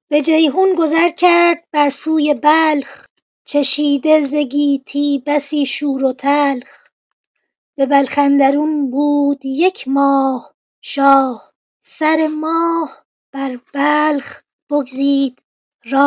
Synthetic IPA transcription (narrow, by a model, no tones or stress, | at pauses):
b̥e̞d͡ʒejɦunɡo̞zæɾcʰæɾd̪̚bæɾsuːjebæːlχ | t͡ʃʰeʃiːd̪eze̞ɡiːt̪ʰiːbæsiːʃuːɾot̪ʰælχ | be̞bælxænd̪æɾunbuːd̪̥je̞cʰmɒːh | ʃɒːh | sæɾe̞mɒːh | b̥æɾb̥æːlχ | b̥oɡziːd̪̥ | rɒː